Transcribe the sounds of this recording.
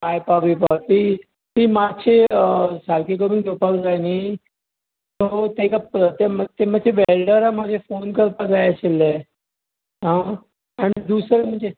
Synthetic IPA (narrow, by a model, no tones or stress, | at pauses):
ajpaʋipat̪i | t̪iːmat͡ɕʰesaɾkikominɡ̪opakd͡zani | t̪ot̪ekapɾət̪jəmt̪emad͡ʑʰʱeʋelɖəɾamad͡ʑʱefonkəɾpad͡zajəselːe | ɦã | anid̪usɾem̤əɳd͡ze